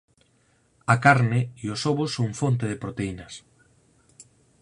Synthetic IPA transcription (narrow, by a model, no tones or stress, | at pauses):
akaɾnɪiosoβosoɱfont̪eðepɾot̪einɐs